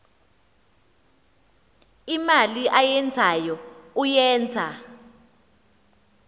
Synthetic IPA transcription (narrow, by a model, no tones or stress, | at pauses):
imaliʔajɛnd͡zʱajɔujɛːnd͡zʱa